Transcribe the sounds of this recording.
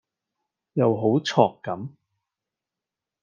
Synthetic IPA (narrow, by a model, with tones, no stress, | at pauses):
jɐ˨wɦo˨˥wt͡sʰɔː˨kːɐ˨˥m